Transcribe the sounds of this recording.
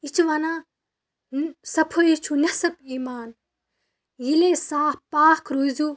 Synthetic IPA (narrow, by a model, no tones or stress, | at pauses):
it͡ʃʰuʋanãː | sɐpʰoit͡ʃʰunɐsɐpiːmaːn | jileːsaːhpaːkʰɾuzuː